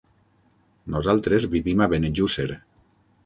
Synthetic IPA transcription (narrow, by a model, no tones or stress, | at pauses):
nozalˠt̪ɾezβiβimaβeneʒuseɾ